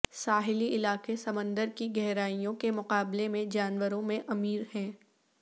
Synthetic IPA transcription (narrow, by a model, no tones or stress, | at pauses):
saːɦɪliɪlaːqesɐmə̃nd̪əɾkiɡɛɦɾaːijõkemʊqaːblemẽd͡ʒaːnʋəɾõmẽʔɐmiːɾhɛ̃ː